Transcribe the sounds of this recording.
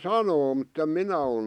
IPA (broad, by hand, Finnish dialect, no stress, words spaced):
sɑnoː mutːem minæ ol